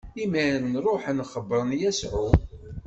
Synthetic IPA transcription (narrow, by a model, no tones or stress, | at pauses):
imæɾənɾˤoħənχəbːɾˤənjæsʕu